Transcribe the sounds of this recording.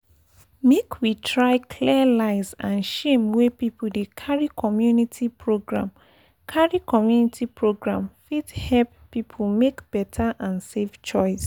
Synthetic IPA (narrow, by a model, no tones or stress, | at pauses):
mekʰwitʰɹaɪkʰliəlaɪsãnʃẽmwepipdekʰaɹikʰɔmjunitʰipʰɹoɡɹã̰m | kʰaɹikɔmjunitʰipʰɹoɡɹãmfithɛlppːipʰomekb̥ɛtʰaʔãnseft͡ʃɔɪs